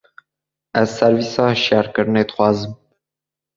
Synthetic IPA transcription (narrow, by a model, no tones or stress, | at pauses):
ʔæzsɛɾviːsɑːhʃjɑːɾkɨɾɨneːd̪ɨ̥xwɑːzɨm